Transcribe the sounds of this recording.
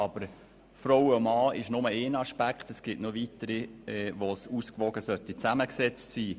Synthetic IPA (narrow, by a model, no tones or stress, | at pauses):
ɑb̥əɾ | fɾowomɑːɪʃnʊməeːnɑʃpækχt̪əsɡ̥ɪtnuːʋitəɾiɛʋosuskʋɔɡəsœtit͡sæməksɛt͡stsiː